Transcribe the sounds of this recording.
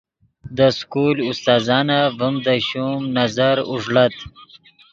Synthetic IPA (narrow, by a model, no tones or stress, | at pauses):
d̪əskulʊst̪ɑːzɑːnavəmd̪əɕumnazaɾʊʐɽat̪